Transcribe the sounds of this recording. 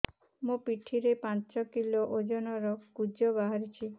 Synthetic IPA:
mũpiʈʰiɾepãt͡ʃɔkiloʔod͡ʒɔnɔɾɔkud͡ʒɔbaɦaɾit͡ʃʰi

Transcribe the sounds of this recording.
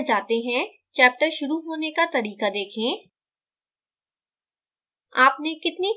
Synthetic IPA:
d͡ʒaːt̪eɦɛ̃ | t͡ʃɛːp̚ʈəɾʃʊɾuɦoːnekat̪ɐɾiːkad̪eːkʰẽː | aːpnekɪt̪ni

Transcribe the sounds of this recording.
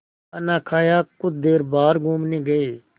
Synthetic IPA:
ɐnãːkʰaːjaːkʊd͡ʒd̪eːɾbaːɾɡũːmnĩːɡəeː

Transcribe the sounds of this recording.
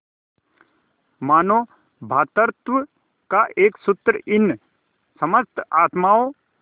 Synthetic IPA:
maːnoː | bʱaːt̪əɾt̪ʋə | kaʔeːksʊt̪ːɾəʔɪn | sɐməst̪ʰaːt̪maːo

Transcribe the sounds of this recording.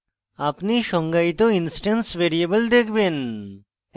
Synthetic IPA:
apniʃɔŋɡajt̪oinsʈensʋeɾiebəld̪ekʰben

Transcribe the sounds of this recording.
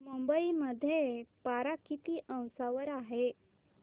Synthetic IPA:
mumbəiməd̪ʱːjepaɾakit̪iːʔə̃w̃saʋəɾaɦe

